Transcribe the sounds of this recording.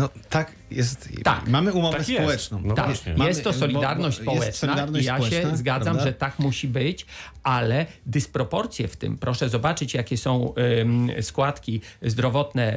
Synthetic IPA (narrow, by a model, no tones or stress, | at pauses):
nɔt̪ak | jɛst̪t̪a̰kmamɘumɔavɛsɔwɛt͡ʂnɔ̃t̪a̰kjɛst̪ːɔsɔlʲid̪aɾnɔɕt̪spɔɛwɛt͡ʂsnɔaaɾnijaɛzɡad̪zamʐɛt̪akmuɕibɘt͡ɕʔalɛd̪ɘspɾɔpɔɾt̪sʲjɛ̰ft̪ɘ̰mpɾɔʂɛzɔbat͡ʂɘt͡ɕjakʲɛsɔ̃w̃ | skwat̪kʲizd̪ɾɔvɔt̪nɛ